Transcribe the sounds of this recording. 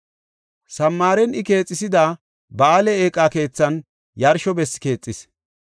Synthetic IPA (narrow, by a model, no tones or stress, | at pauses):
sɐmːaːɾɛnɪke̞ːt͡sʼːɪsɪd̪a | baːlɛeːkʼːake̞ːt͡sːɐn | jɐɾʃɔbɛsːke̞ːt͡sʼːɪs